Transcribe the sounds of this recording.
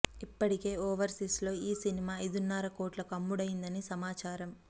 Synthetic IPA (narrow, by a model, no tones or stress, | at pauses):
ipːɐʈike̞ːoːʋɐɾsislo̞ːiːsinimaːɐjd̪unːaːɾɐkoːʈlɐkɐmːuɽɐjind̪ɐnisɐmaːt͡ʃaːɾɐm